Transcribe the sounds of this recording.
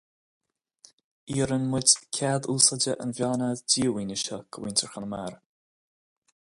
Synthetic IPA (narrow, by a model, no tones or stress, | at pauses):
iːɾənmɪdʲkʰad̪uːsədəʔə̰nvjaːnadiːwiːnəʃəɡ̥əwiːntʰəɹxənəmaɹ